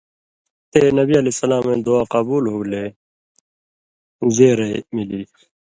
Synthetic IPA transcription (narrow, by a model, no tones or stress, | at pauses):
t̪eːnʌbiːɐleːsɐlaːmẽːd̪oaːqabuːlɦuːleː | zeːɾemiliː